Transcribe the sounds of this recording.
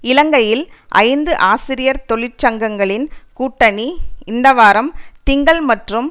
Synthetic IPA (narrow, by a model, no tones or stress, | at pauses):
ɪlɐŋɡɐjɪlʔɐ̰ɪnd̪ɯʔaːsɪɾɪjɐɾt̪ɔɭɪɾt͡ʃɐŋɡɐŋɡɐɭɪnkuːʈːɐniɪnd̪ɐʋaːɾɐmt̪ɪŋɡɐɭmɐʈrɯm